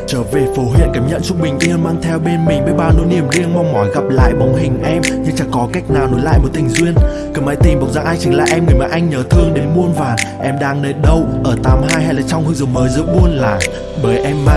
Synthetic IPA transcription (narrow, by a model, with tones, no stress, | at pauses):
t͡ɕəː˧˩ve˨˩fo˨˦ɦwḭ˧˨ənkaː˨˦mɲə̰˧˨nt͡ɕʊ˧˥k͡p̚ɓï˨˩ŋ̟ɗ̪i˧həː˧nmaː˧ŋt̪ʰɛ˧wɓe˧nmï˨˩ŋ̟ɓəː˨˦jɓaː˧˩no̰˧˦ni˧˩əmɗi˧əŋmɔ˧wŋ͡mmɔ˨˦jɣa˨˩p̚la̰ː˧˨jɓa˨˦wŋ͡mɦï˨˩ŋ̟ʔɛ˧mɲɨ˧ŋt͡ɕa˨˧˩kɔ˨˦ka˦˥jk̚naː˨˩wno˨˦jla̰ː˧˨jmo˨˩t̚t̪ʰï˨˩ŋ̟zwi˧ən | kəː˨˩ma̰˧˥jt̪i˨˩mɓa˨˩w̚za̰ː˧˥ʔaː˧jt͡ɕɨ˨˦ŋla̰ː˧˨ʔɛ˧mŋɨ˨˩əjma̰ː˧˥ʔa˧jŋ̟ɲəː˨˦t̪ʰɨ˧əŋɗe˨˦nmu˧ənvaː˨˩ʔɛ˧mɗaː˧ŋne˧nɗə˧wʔəː˧˩t̪aː˨˦mɦaː˧jha˧jlaː˨˩t͡ɕɔ˧wŋ͡mhɨ˧ŋzməː˨˦jzɨ̰˧˥mu˧ənlaː˨˩ | ɓəː˨˩jʔɛ˧mːaː˧ŋ